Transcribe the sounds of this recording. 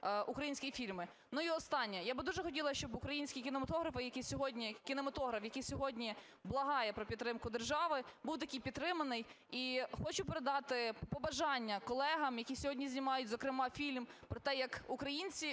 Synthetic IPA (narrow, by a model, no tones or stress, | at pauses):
ukɾɐjinʲsʲkʲijifʲilʲmɪ | nuiɔst̪ɑnʲːɛjabɪd̪uʒɛxɔtʲilˠɐʃt͡ʃɔbʊkɾɐjinʲsʲkʲikʲɪnɛmɐt̪ɔɦɾɐfɪjɐkijsʲɔɦɔdʲnʲikʲinɛmɐt̪ɔɦɾɐfjɐkijsʲɔɦɔdʲnʲi | blˠɐɦɑjɛpɾɔpʲid̪t̪ːɾɪmkʊd̪erʒɑʋɪbuwt̪ɐkʲijpʲit̪t̪ːɾɪmɐnɪj | ixɔt͡ʃʊpeɾed̪ɑt̪ɪpɔbɐʒɑnʲːɐkɔlˠɛɦɐmjɐkʲisʲɔɦɔdʲnʲizʲnʲimɑjʊtʲzɔkɾɪmɑfʲilʲmpɾɔt̪ɛjɐkʊkɾɐjinʲt͡sʲi